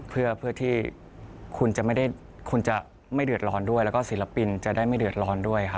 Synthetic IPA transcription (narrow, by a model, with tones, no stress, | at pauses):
pʰɯ˥˩ɐpʰɯ˥˩ət̪ʰiː˥˩ | kʰu˧nt͡ɕa˨˩ma˥˩jda˥˩j | kʰu˧nt͡ɕa˨˩ | ma˥˩jdɯ˨˩ət̪̚lɔː˧ndu˥˩əjlɛː˦˥wkɔː˥˩siː˩˦la˧pi˧nt͡ɕa˨˩ʔdaː˥˩jma˥˩jdɯ˨˩ə˩t̪̚lɔː˧ndu˥˩əjkʰa˦˥˩